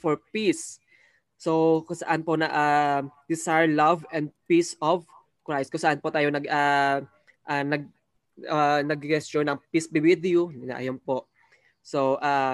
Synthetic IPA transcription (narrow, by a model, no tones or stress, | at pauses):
fɔɹpisː | owkʊsɐʔanponɐʔad̪̥ɪsaɹlavɛ̃nd̪̚pisɔv | kɹajst̪kʊŋsɐʔanpot̪aːjonɐɡʔa | ʔanɐɡ̚ | anɐɡkɛst̪t͡ʃonɐŋpisbɪwid̪ɛʊnɪna̰ʔɐ̰jompoʔ | soʔa